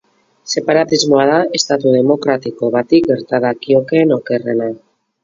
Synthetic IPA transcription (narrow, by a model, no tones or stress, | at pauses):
se̞paɾat̪izmo̞aðae̞st̪at̪uð̞e̞mo̞kɾat̪iko̞βat̪ik̚ɡe̞ɾt̪aðakio̞keːno̞ke̞re̞na